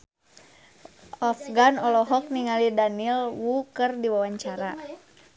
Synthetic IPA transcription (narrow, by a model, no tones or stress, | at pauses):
ʔɔfɡanɔlɔɦɔk̚niŋalidanilwukərdiwawaɲt͡ʃaɾa